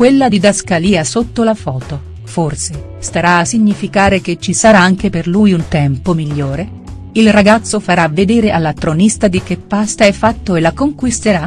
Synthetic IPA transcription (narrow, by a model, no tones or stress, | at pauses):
kwelːad̪id̪askaliːasot̪ːolafɔːt̪o | forse | st̪aɾaːsːiɲːifikaːɾek̟et͡ʃːisaɾaaŋk̟eperlujunt̪ɛmpomiʎːoːɾe | ilraɡat̪sːofaɾavːed̪ɛːɾeʔalːat̪ːɾonist̪ad̪ik̟epːast̪aɛfːat̪ːoelːakoŋkwist̪eɾa